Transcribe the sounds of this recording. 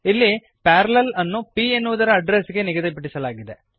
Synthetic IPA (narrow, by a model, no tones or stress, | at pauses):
ɪlːi | paːɾɐlɐlɐnːupienːuʋɐd̪ɐɾɐɐɖɾeskːenɪɡɐðɐpɪʈːɪsɐlaːɡid̪ḛ